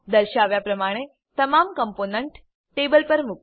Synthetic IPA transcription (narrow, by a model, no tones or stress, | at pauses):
d̪əɾʃaʋjapɾəmaɽ̃e | t̪əmamkəmponəɳʈ | ʈebəlpəɾmuk